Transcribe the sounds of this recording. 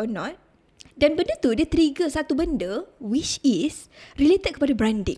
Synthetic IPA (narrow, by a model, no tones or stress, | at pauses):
nɔ̃t̪̚ | danbəndət̪udət̪ɾiɡəsat̪ubəndəwit͡ʃis | rilet̪ət̪̚kəpadabɾandɪ̰ŋ